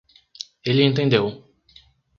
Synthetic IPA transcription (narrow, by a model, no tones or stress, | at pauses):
elɪẽnt̪ẽnd̪ew